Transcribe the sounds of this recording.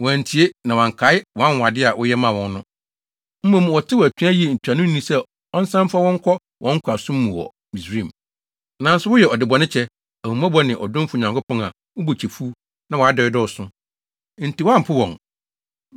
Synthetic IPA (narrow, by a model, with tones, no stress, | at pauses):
wɔ̃˨n̩˨tʰi˨e˦nã˨wã˨ŋ˨kʰa˨˦ɪ˦wɔ̃˨ã˦n˨a˨dɪ˦a˨wʊ˦jɛ˦mã˦˨wɔ̃˨n˦nʊ̃˦ | m̩˦mɔ̃˦˨m˨wɔ˨tʰɪ˦wɔ˨æ˨t͡ɕᶣæ˦ji˦e˨n̩˨tʰᶣa˨nʊ̃˦n˦nĩ˦sɛ˦ | ɔ˦n˦sã˦m˦fa˦wɔ̃˦ŋ̩˦kʰɔ˦ | wʔɔ̰̃˦ŋ̩˦kʷʰa˨sʊ̃˦m˦mũ˨wɔ̰˨ | mĩ˨sɾĩ˦˨m | nã˨˦n̩˦sʊ˦wʊ˦jɛ˨ɔ˨dɪ˨bɔ˨nɪ̃˦t͡ɕʰɛ˦ | æ˨hũ˨m˦a˦bɔ˦nɪ̃˨ʔɔ˨dʊ̃˦m˦fʊ˨ɲã˨ŋkʰʊ˦pʰɔ̃˦ŋa̰˨ | wʊ˦bo˨t͡ɕʰi˨fu˦ | nã˨wɔ˨a˦dɔ˨ɪ˦dɔ˦ʊ˨sʊ̃˦ | n̩˨ti˨wã˦m̩˨pʰʊ˦wɔ̃˨ŋ